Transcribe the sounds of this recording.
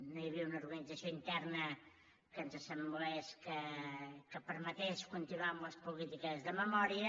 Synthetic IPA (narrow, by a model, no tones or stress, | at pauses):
nojəβiəunəuɾɣənid͡zəsijoint̪ɛrnə | kənzəsəmblɛskəkəpəɾmət̪eskunt̪inuamləspulit̪ikəzðəməmɔɾiə